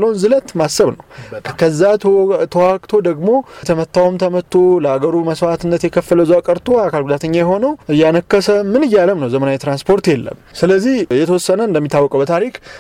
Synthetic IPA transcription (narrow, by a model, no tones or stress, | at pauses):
lːəwnzɨlət̪masːəβnəwkʰəzːat̪ʰəwakʼt̪ʰo̞d̪əɡmo̞t̪ʰəmət̪ːawmt̪ʰəmət̪ʰːoləaɡəɾuməswat̪ɨnːət̪jɛkʰəfːələzuakʼəɾt̪ʰoakʰalɡud̪at̪ʰəɲːajɛɦo̞nəwʔɨjːanəkːəsəmɨnɨjːaləmnəwzəmənawjɛt̪ɾanspʰo̞ɾt̪jelːə̰msɨləzːihjɛt̪ʰəwɔsːənəɨnd̪əmːit̪ʰːawːɔkʼəbət̪ʰaɾik